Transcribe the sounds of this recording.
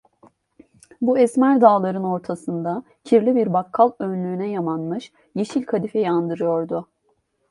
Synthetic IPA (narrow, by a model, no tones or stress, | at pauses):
buɛsmæɾd̪aːlˠaɾɯno̞ɾt̪ʰasɯnd̪a | cʰiɾlʲibiɾbakʰːalˠønlʲyːnɛjamanmɯʃ | jeʃilʲkʰad̪ifɛjand̪ɯɾɯjo̞ɾd̪ʊ